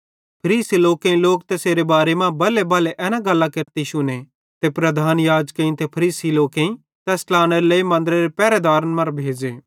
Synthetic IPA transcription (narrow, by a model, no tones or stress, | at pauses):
pʰɐɾiːsiloːkẽĩloːkt̪eseːɾebaːɾemãbɐlebɐːleʔɛːnãɡɐlːakeɾt̪iʃʊne | t̪epɾɐd̪ʱaːnjaːd͡ʒkeĩt̪epʰɐɾiːsiloːkẽĩ | t̪ɛːslaːñeɾeləimɐ̃nd̪ɾeɾepɛːɾed̪aːɾnmɐɾbʱeːd͡ʒeː